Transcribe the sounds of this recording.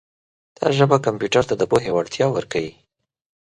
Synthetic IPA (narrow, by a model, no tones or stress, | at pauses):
d̪̥ɑ̰ʒəbakampjuʈaɾt̪ad̪əpoɦewaɽt̪jɑwəɾkawi